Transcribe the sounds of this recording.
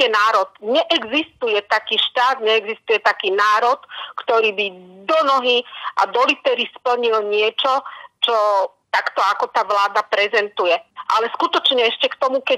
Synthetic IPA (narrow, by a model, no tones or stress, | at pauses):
ɛnaːɾɔt̪ɲɛʔɛɡzist̪ujɛt̪akiːʃt̪aːd̪ɲɛɛɡzist̪ujɛt̪akiːnaːɾɔt̪kt̪ɔɾiːbid̪ɔnɔɦiʔa̰d̪ɔlit̪ɛɾispl̩ɲilɲɪɛt͡ʃɔt͡ʃɔ | t̪akt̪ɔakɔt̪aːʋlaːd̪apɾɛzɛnt̪ujɛʔalɛskut̪ɔt͡ʃɲɛɛʃcɛkt̪ɔmukɛ